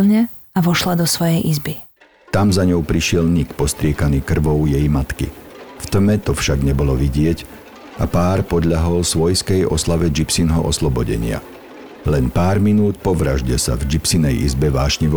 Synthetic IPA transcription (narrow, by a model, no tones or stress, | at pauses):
lɲɛ | aʋɔʃlad̪ɔsʋɔjɛjʔizbi | t̪amzaɲɔʊpɾiʃɪɛlnikpɔst̪ɾɪɛkaniːkr̩ʋɔʊjɛjmat̪kḭft̪mɛt̪ɔfʃaɡɲɛbɔlɔʋiɟɪɛc | ʔapaːɾpɔd̪ʎaɦɔlsʋɔjskɛjʔɔslaʋɛd͡ʒipsinɦɔʔɔ̰slɔbɔɟɛ̰ɲɪa̰ | lɛnpaːɾminuːt̪̚pɔʋɾaʒɟɛsa̰vd͡ʒipsinɛjizbɛʋaːʃɲiʋ